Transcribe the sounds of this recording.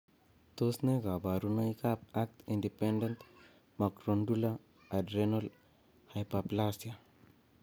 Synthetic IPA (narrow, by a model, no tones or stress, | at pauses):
t̪osneɡabaɾunəjkap̚ak̚t̪iɳɖipeɳɖent̪ | makɾoɳɖula | aɖɾenɔl | hajpaplasja